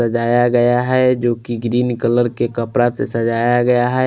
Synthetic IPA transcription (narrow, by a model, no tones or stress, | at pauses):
ɐd͡ʒaːjaɡɐjaɦɛd͡ʒoːkiɡɾiːnkələɾkekɐpɾat̪esɐd͡ʒaːjaɡɐjaɦɛ